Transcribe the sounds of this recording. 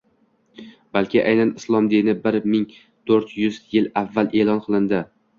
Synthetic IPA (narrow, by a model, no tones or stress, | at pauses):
b̥alˠkʲʰɪʔajnanɪslˠɒmd̪inɪbɪɾmɪŋ | t̪ʰɵɾt̪jʊzjɪlavːalʔe̞lˠɒnqʰɨlˠɪnd̪ɪ